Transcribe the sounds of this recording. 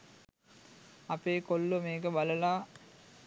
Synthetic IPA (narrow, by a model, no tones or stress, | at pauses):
apeːkolːəmeːkəbaləlaː